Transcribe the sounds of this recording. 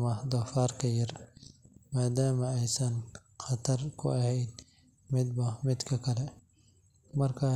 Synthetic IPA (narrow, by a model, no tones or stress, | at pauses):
mɐd̪ɔːfaːrkʰɐjɐr | maːd̪aːmɐɛjsɐn | χɐt̪ʰɐrkʰʊɐhɛjd̪̚ | mɪd̪bɐmɪd̪kʰɐkʰɐlɛ | mɐrkʰaː